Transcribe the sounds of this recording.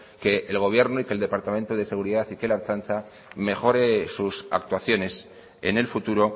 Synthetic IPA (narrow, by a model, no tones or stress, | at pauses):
ke̞ʔːlɣ̞o̞β̞je̞ɾnoike̞ld̪e̞paɾt̪amẽnt̪oðe̞se̞ɣ̞uɾiðaθikelaɾt͡ʃant͡ʃa | me̞xo̞ɾesusa̰k̚t̪waθjo̞ne̞s | e̞̰ne̞lfut̪uɾo̞